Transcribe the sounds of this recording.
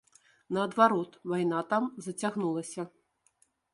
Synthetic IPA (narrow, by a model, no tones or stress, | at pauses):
nɐːd̪vaɾɔt̪vajnat̪amzɐt͡sʲaɣnulˠɐsʲɐ